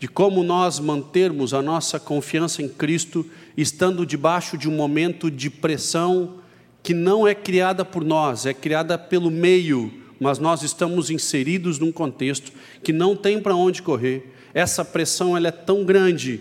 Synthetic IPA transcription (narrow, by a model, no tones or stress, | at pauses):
d͡ʒɪkõmʊnɔzmɐ̃nt̪eɾmʊzɐnɔsɐkõfiɐ̃sɐẽj̃kɾist̪ʊɪst̪ɐ̃nd̪ʊd͡ʒɪbaʃʊd͡ʒɪũmomẽnt̪ʊd͡ʒɪpɾesɐ̃w̃ | kɪnɐ̃w̃ɛkɾiad̪ɐpʊɾnɔzɛkɾiad̪ɐpelʊmejʊmɐznɔzɪst̪ɐ̃mʊzĩseɾid̪ʊznũkõnt̪est̪ʊ̥ | kɪnɐ̃w̃t̪ẽj̃pɾɐõnd͡ʒɪkoɦeɾ | ɛsɐpɾesɐ̃w̃ɛlɐɛt̪ɐ̃w̃ɡɾɐ̃d͡ʒɪ